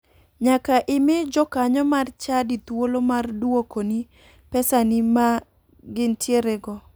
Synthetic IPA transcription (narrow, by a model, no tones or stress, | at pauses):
ɲakaʔɪmɪd͡ʒɔkaɲɔmart͡ʃadit̪wolomardwokoni | pɛsanima | ɡɪntjeɾɛɡɔ